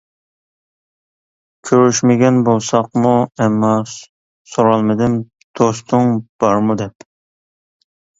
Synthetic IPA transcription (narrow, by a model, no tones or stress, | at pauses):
kʲʰøɾyʃmɪɡʲɛnbolˠsɑqmuɛmːɑ | soɾɑlˠmɪd̪ɪm | d̪̥ost̪ʰʊŋb̥ɑɾmud̪ɛp